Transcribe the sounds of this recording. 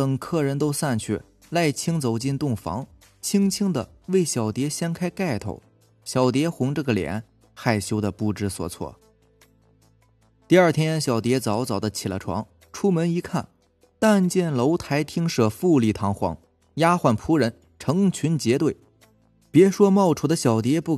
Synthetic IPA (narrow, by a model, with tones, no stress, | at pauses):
t̪ə˨˩ŋkʰɤ˥˩ɻə˧˥nt̪o˥ʊsa˥˧nt͡ɕʰy̰˥˩ | la˥˩ɪt͡ɕʰi˥ŋt͡so˨˩ʊt͡ɕi˥˧nt̪ʊ˥˩ŋfɑ̰˧˥ŋ | t͡ɕʰi˥ŋt͡ɕʰi˥ŋd̪ə˨ | we˥˩ɪɕjɑ˨˩ʊt̪jɛ˧˥ɕjɛ˥nkʰa˥ɪka˥˩ɪt̪ʰo̰˧˩˦ʊ | ɕjɑ˨˩ʊt̪jɛ˧˥xʊ˧˥ŋʈ͡ʂɤ˥˩ɡə˩ljɛ̰˧˥n | xa˥˩ɪɕjo˥ʊd̪ə˨pu˥˩ʈ͡ʂɻ̩˥swɔ̰˨˩t͡sʰwɔ̰˥˩ | t̪i˥˧ɐ˞˥˩t̪ʰjɛ˥nɕjɑ˨˩ʊt̪jɛ˧˥t͡sɑ˧˥ʊt͡sɑ˨˩ʊd̪ə˦t͡ɕʰi˨˩lə̰˦ʈ͡ʂʰwɑ̰˧˥ŋ | ʈ͡ʂʰu˥mə˧˥ni˧˥kʰa˥˩n | t̪a˥˧nt͡ɕjɛ˥˩nlo˧˥ʊt̪ʰa˧˥ɪt̪ʰi˥ŋʂɤ˨˩fu˥˧li˥˩t̪ʰɑ˧˥ŋxwɑ̰˧˥ŋ | ja˥xwa˥˩npʰu˧˥ɻə˧˥n | ʈ͡ʂʰɤ˧˥ŋt͡ɕʰy˧˥nt͡ɕjɛ˧˥t̪we˥˩ɪ | pjɛ˧˥ʂwɔ˥mɑ˥˩ʊʈ͡ʂʰu˨˥˩d̪ə˦ɕjɑ˨˩ʊt̪̬jɛ˧˥pu˥˩